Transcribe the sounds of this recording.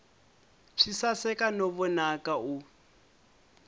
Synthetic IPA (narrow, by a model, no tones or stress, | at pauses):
ʂʰisasɛkanɔβɔnakau